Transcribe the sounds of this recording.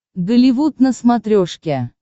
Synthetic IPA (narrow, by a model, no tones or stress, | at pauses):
ɡ̪əlʲivut̪̚nəsmat̪ɾʲoʂkʲe